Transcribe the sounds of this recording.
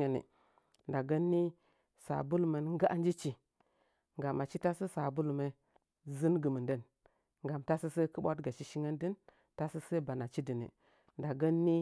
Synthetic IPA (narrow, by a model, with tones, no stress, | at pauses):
ə˨nḭ˨ | nda˨ɡə˦nːi˦ | sa̰˨bu˦lme˨nŋ˦ɡa˦ʔa˦n˦d͡ʒi˦t͡ʃi˨ | ŋɡa˨ma˨t͡ʃi˦ta˦sə˦sa˨bu˦lme˨ | zɨ˦nɡə˨mə˨ndə˦˨n | ŋɡa˨mta˦sə˦se˦kə˦ɓa˦tɡa˨t͡ʃi˦ʃi˦ŋə˦ndi˦n | ta˦sə˦se˦ba˨na˨t͡ʃi˦di˨nḭ˨ | nda˨ɡə˦nːi˦